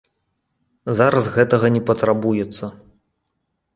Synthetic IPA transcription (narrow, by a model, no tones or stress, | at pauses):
zaɾɐsɣɛt̪ɐɣɐnʲɛpɐt̪ɾabujɛt̪sːɐ